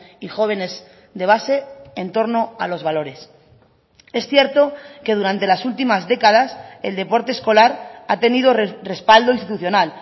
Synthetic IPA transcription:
ixo̞β̞e̞ne̞z | d̪e̞β̞ase̞ːnt̪o̞ɾno̞a̰lo̞zβalo̞ɾe̞s | e̞sθje̞ɾt̪o̞ke̞ð̞uɾant̪e̞lasult̪imazðe̞kað̞aseld̪e̞po̞ɾt̪esko̞laɾat̪e̞nið̞o̞re̞spald̪oinst̪it̪uθjo̞nal

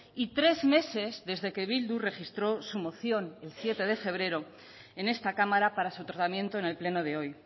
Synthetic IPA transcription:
it̪ɾe̞zme̞se̞zðe̞zðe̞ke̞βild̪ure̞xist̪ɾo̞sumo̞θjo̞ne̞lsje̞t̪e̞ð̞e̞fe̞β̞ɾe̞ɾo̞ | e̞ne̞st̪akamaɾapaɾasut̪ɾat̪amjẽ̞nt̪o̞e̞ne̞lple̞no̞ðe̞o̞j

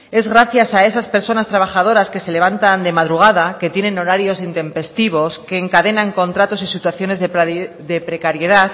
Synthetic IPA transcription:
e̞zɣɾaθjasae̞saspe̞ɾso̞nast̪ɾaβaxað̞o̞ɾaske̞se̞le̞β̞ant̪and̪e̞maðɾuɣ̞aðake̞t̪je̞nẽ̞no̞ɾaɾjo̞sint̪e̞mpe̞st̪iβ̞o̞ske̞ːŋkaðe̞naŋko̞nt̪ɾat̪o̞sisit̪waθjo̞ne̞zðe | d̪e̞pɾe̞kaɾje̞ð̞aθ

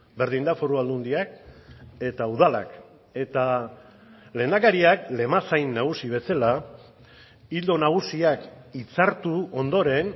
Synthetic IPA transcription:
be̞ɾð̞ind̪afo̞ɾuald̪und̪iak̚ | e̞t̪auðala̰k | e̞t̪a | le̞ːnd̪akaɾiakle̞masajnːaɣ̞usiβ̞e̞sala | ild̪o̞naɣ̞usiakit͡saɾt̪uo̞nd̪o̞ɾe̞n

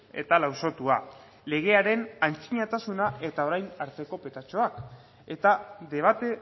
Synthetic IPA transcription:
e̞̰t̪alawso̞t̪ua | le̞ɣ̞e̞aɾe̞nant͡siɲat̪asunae̞t̪ao̞ɾajnaɾt̪e̞ko̞pe̞t̪at͡ʃo̞ak | e̞t̪aðe̞β̞at̪e̞

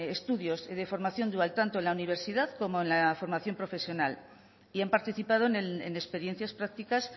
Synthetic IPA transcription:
est̪uðjo̞zðefo̞ɾmaθjo̞nd̪ualt̪ant̪onlauniβ̞e̞ɾsiðaðko̞mo̞enlafo̞ɾmaθjo̞mpɾo̞fe̞sjo̞nal | iampaɾt̪iθipað̞onenespe̞ɾje̞n̟θjaspɾakt̪ikas

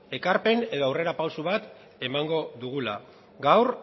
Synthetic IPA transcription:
e̞kaɾpe̞ne̞ðo̞awre̞ɾapawsuβ̞at̪ | e̞maŋɡo̞ðuɣ̞ula | ɡawɾ

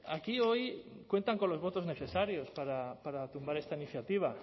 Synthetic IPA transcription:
akioj | kwe̞nt̪aŋkonlozβ̞ot̪ozneθesaɾjospaɾapaɾat̪umbaɾest̪ainiθjat̪iβ̞a

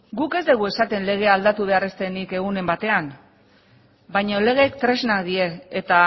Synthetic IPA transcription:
ɡuke̞zd̪eɣ̞ue̞sat̪e̞nle̞ɣ̞e̞ald̪at̪uβ̞e̞are̞st̪e̞nike̞ɣ̞une̞mbat̪e̞an | bajɲole̞ɣ̞e̞ːkt̪ɾe̞znakd̪ie̞ːt̪a

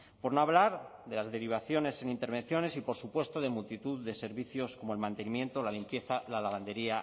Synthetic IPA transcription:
po̞ɾnoaβlaɾðe̞lazðe̞ɾiβ̞aθjo̞ne̞senĩnt̪e̞ɾβ̞en̟θjo̞ne̞sipoɾsupwe̞st̪oðe̞mult̪it̪uððe̞se̞ɾβiθjo̞sko̞moelmãnt̪e̞nĩmjẽ̞nt̪olalimpje̞θalalaβ̞and̪e̞ɾia

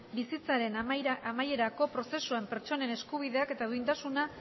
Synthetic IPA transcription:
bisit͡saɾe̞namaje̞ɾako̞pɾo̞se̞suampe̞ɾt͡ʃo̞ne̞ne̞skuβ̞iðe̞ake̞t̪aðuint̪asuna

